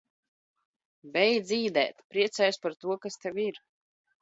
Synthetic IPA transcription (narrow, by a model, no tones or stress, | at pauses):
bɛjd̪zʲiːd̪ɛ̰ːt̪pɾiɛt̪sɛːjuspaɾt̪uɔkast̪ɛviɾ